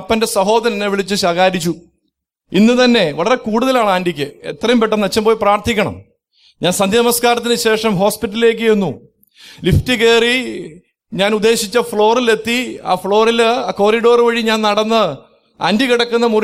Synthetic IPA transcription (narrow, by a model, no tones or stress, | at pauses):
pːɐnde̞sɐɦo̞ːðɐɾɐnːeʋiɭit͡ɕːɨɕɐɣaːɾit͡ɕːu | inːɨt̪ɐnːe̞ʋɐɭɐre̞kuːɽuðɐlaːɳɨaːndikʲːɨḛt̪rɐjumpeʈːɐnɐt͡ɕːɐmpoːjpraːrt̪ʰikʲːɐɳɐ̰m | ɲaːnsɐnd̪jɐɐmɐskaːɾɐt̪ːinɨɕe̞ːʂɐmɦo̞ːspitːɐlile̞ːk̬ːɨjenːu | liftike̞ːri | ɲaːnud̪ːe̞ːɕit͡ɕːɐfɭo̞ːrile̞t̪ːia̰ːfɭo̞ːrilaːko̞ːriɽo̞ːrɨʋɐɻiɲaːnnɐɽɐnːɨ | a̰ːndikiɽɐkːunːɐmu